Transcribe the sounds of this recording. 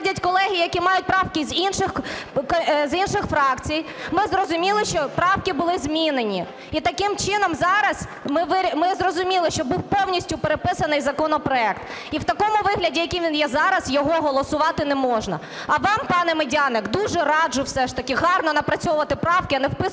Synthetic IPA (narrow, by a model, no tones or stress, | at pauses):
dʲɐtʲkɔlˠɛɦʲijɐkʲimɑjʊt̚ʲpɾɑwkɪzʲinʃɪxkɔzinʃɪxfɾɑkt͡sʲij | mɪzɾɔzʊmʲilˠɪʃt͡ʃɔpɾɑwkɪbʊlˠɪzmʲinenʲi | it̪ɐkɪmt͡ʃɪnɔmzɑɾɐs | mɪʋɪɾʲmɪzɾɔzʊmʲilˠɪʃt͡ʃɔbuwpɔwnʲisʲtʲʊpeɾepɪsɐnɪjzɐkɔnɔpɾɔɛkt̪ | iwt̪ɐkɔmʊʋɪɦlʲɐdʲijɐkʲiʋʲinjɛzɑɾɐzjɔɦɔɦɔlˠɔsʊʋɑt̪ɪnɛmɔʒnɐ̰ | ɐʋɑmpɑnɛmɪdʲɑnɪkd̪uʒɛɾɑd͡ʒʊwsɛʃt̪ɐkʲɪɦɑrnɔnɐpɾɐt͡sʲɔʊʋɐt̪ɪpɾɑwkɪɐnɛwpɪ